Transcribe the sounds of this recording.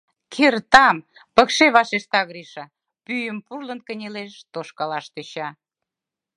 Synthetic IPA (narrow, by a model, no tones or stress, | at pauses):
kʰert̪ɑm | pəkʃeβɑʃeʃt̪ɑɣɾiʃɑ | pyjəmpurlənkənʲeleʃt̪oʃkɑlɑʃt̪øɕɑ